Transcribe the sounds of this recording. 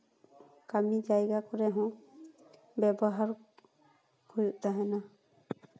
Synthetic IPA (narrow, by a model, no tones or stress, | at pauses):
kamid͡ʒajɡakɔɾɛɦɔ̃ | bɛbɔɦaɾ | kʰujuʔt̪aɦɛna